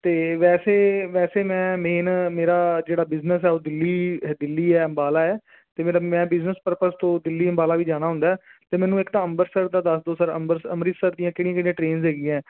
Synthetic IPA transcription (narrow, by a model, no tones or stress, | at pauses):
t̪eːʋɛːseːʋɛːseːmɛ̃ːmeːnmeːɾaːd͡ʒeːɽaːbɪznəsɛːoːd̪ɪlːiːd̪ɪlːiːɛːəmbaːlaːɛː | t̪eːmeːɾaːmɛ̃ːbɪznəspəɾpəst̪õːd̪ɪlːiːəmbaːlaːʋiːd͡ʒaːɽ̃aːɦʊ̃nd̪aːɛːt̪eːmɛ̃ːnũːɪkt̪ãːəmbəɾsəɾd̪aːd̪əsd̪oːsəɾə̰mbəɾsə̰mɾɪt̪səɾd̪ijãːkɪɽĩjãkɪɽĩjãʈɾeːnzɦɛːɡiːãɛ̃ː